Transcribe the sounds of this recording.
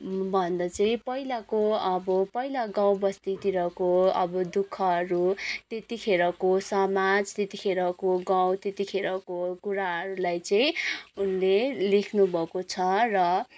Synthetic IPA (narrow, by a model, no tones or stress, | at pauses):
bʱʌnd̪ʌt͡sʌĩpʌɦilakoʌbʌpʌilaɡãw̃bʌst̪it̪iɾʌkoʌbʌd̪ukʰːʌʌɾut̪et̪ikʰeɾʌkosʌmad͡zt̪et̪ikʰeɾʌkoɡãw̃t̪et̪ikʰeɾʌkokuɾaɦʌɾulajt͡sʌĩunlelekʰnubʱʌkot͡sʰʌrʌ